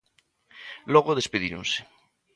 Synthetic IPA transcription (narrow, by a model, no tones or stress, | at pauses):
loɣoðespeðiɾõ̰nse̥